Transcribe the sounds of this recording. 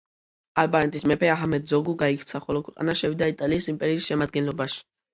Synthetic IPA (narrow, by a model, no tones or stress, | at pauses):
albanɛt̪ʼismɛpʰɛaɦamɛd̪zɔɡuɡaikʰt̪sʰaχɔlɔkʰwɛqʼa̰naʃɛvid̪ait̪ʼaliːsimpʼɛɾiːsʃɛmad̪̚ɡɛnlɔbaʃi̥